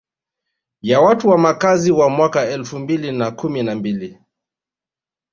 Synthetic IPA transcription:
jawatuwamakaziwamwakaɛlfumbilinakuminambili

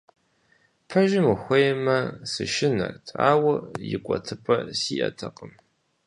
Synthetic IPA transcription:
pʰɐʒɪmɨxʷejmɐsɨʃɪnɐ̰rtʰaːwɐjɪkʷʼɔtʰɨpʼɐsiːʔɐ̰tʰɐqəm

